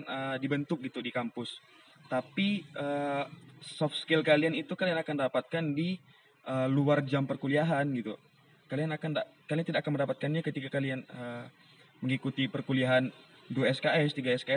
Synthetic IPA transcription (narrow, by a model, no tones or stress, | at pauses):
nədibənt̪ʊk̚ɡit̪udikampʊs | t̪apiəː | sɔfskɪlkalianit̪ukalianakandapat̪̚kandi | ʔəːluard͡ʒampərkuliaɦanɡit̪u | kalianakandakaliant̪idaʔakanməndapat̪̚kanɲakət̪ikakalianə | məŋikut̪ipərkuliaɦan | duaɛskaɛst̪iɡaɛskaɛ